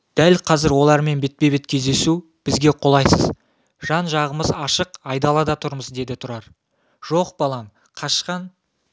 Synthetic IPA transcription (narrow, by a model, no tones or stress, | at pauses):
d̪̥ælqʰɑzɪɾwo̞lˠɑɾme̞nbe̞t̪̚pe̞be̞t̪̚kʲʰe̞zd̪e̞su | b̥ɪzɡʲe̞qʰo̞lˠɑjsəz | ʒ̥ɑnʒɑʁəməzɑʃəqɑjd̪ɑlˠɑd̪ɑt̪ʰʊɾməzd̪e̞d̪ɪt̪ʰʊɾɑɾ | ʒ̥o̞qb̥ɑlˠɑn | qʰɑʃqɑn